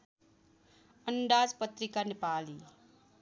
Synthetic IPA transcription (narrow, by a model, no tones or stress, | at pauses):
ənɖaːd͡ʒpət̪ɾɪkanɪpaːli